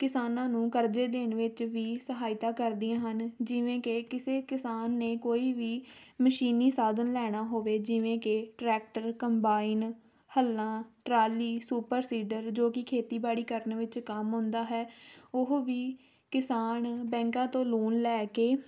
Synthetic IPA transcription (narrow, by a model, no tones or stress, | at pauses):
kɪsaːnãːnũːkəɾd͡ʒeːd̪eːɳʋɪt͡ʃʋiːsəɦaːɪt̪aːkəɾd̪iãːɦənd͡ʒɪʋẽːkekɪseːkɪsaːnːeːkoːiːʋiːməʃiːniːsaːd̪ənlɛːɽ̃aːɦoːʋeːd͡ʒɪʋẽːkeʈɾɛːk̚ʈəɾkəmbaːin | həlːãːʈɾaːliːsuːpəɾsiːɖəɾd͡ʒoːkɪkʰeːt̪iːbaːɽiːkəɾənʋɪt͡ʃkəmɦʊ̃nd̪aːɦɛːʊɦʋiː | kɪsaːnbɛ̃ːŋkãːt̪õːluːnlɛːkeː